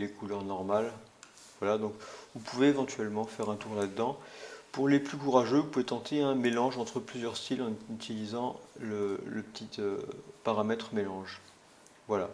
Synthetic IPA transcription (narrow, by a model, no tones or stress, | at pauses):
lekulœʁnɔʁmal | vwalad̪ɔ̃kvũpuveːvɑ̃t̪ɥɛlmɑ̃fɛʁɛ̃t̪uʁlad̪əd̪ɑ̃puʁleplykuʁaʒøvũpuvet̪ɑ̃t̪ʰeɛ̃melɑ̃ʒɑ̃t̪χəplyzjœʁst̪ilɑ̃nyt̪ilizɑ̃lələpət̪ʰit̪øpaʁamɛt̪χəmelɑ̃ʒ | vwala